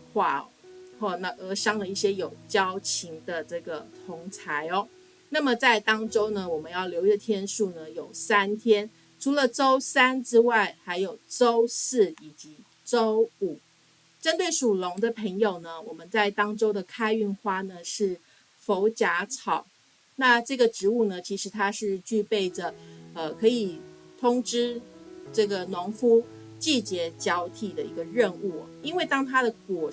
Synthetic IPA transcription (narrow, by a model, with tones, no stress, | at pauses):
xwa˥˩xɔ˥˩na˥˩ʔə˧˥ʂɑ˥ŋd̪ə˨i˥˩ɕjɛ˥jo˨˩ʊt͡ɕjɑ˥ʊt͡ɕʰi˧˥ŋd̪ə˨ʈ͡ʂɤ˥˩ɡə˩t̪ʰʊ˧˥ŋt͡sʰa˧˦ɪɔ˧ | na˥˩mə˨˩t͡sa˥˩ɪt̪ɑ˥ŋʈ͡ʂo˥ʊnə˨wɔ˨˩mə˨˦njɑ˥˩ʊljo˧˥ʊʈ͡ʂə˥˧t̪ʰjɛ˥nʂu˥˩nə˩jo˨˩ʊsa˥nt̪ʰjɛ˥n | ʈ͡ʂʰu˧˥lə˨ʈ͡ʂo˥ʊsa˥nʈ͡ʂɻ̩˥wa˥˩ɪxa˧˥ɪjo˨˩ʊʈ͡ʂo˥ʊsɹ̩˥˩i˨˩t͡ɕi˧˥ | ʈ͡ʂo˥ʊu˨˩˦ | ʈ͡ʂə˥nt̪we˥˩ɪʂu˨˩lʊ˧˥ŋd̪ə˨pʰə˧˥ŋjo˨˩ʊnə˦wɔ˨˩mə˦nt͡sa˥˩ɪt̪ɑ˥ŋʈ͡ʂo˥ʊd̪ə˨kʰa˥ɪy˥˩nxwa˥nə˨ʂɻ̩˥˩ | fo˧˥ʊt͡ɕja˧˥t͡sʰɑ˨˩˦ʊ | na˥˧ʈ͡ʂɤ˥˩ɡə˩ʈ͡ʂɻ̩˧˥u˥˩nə˩t͡ɕʰi˧˥ʂɻ̩˧˥t̪ʰa˥ʂɻ̩˥˧t͡ɕy˥˧pe˥˩ɪʈ͡ʂə˩ə˧kʰɤ˧˥i˨˩t̪ʰʊ˥ŋʈ͡ʂɻ̩˥ʈ͡ʂɤ˥˩ɡə˩nʊ˧˥ŋfu˥ | t͡ɕi˥˧t͡ɕjɛ˧˥t͡ɕjɑ˧˥ʊt̪ʰi˨˩d̪ə˦i˧˥ɡə˧ɻə˥˧nu˥˩i˥nwe˥˩ɪt̪ɑ˥ŋt̪ʰa˥ɾə˨kwɔ˨˩